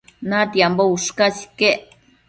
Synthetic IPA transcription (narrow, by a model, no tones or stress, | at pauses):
nat̪jambouʂkasi̥keʔ